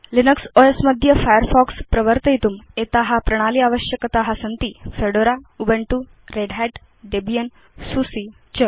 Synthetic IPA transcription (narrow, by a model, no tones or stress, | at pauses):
linəksoesməd̪ʱjəfajəɾfɔkspɾəʋəɾt̪əjit̪umet̪aɦapɾəɽ̃aliːaʋəɕjəkət̪aɦasənt̪iːfeɽoɾaubeɳʈu | ɾeɖɦɛʈ | ɖebijən | susi | t͡ɕə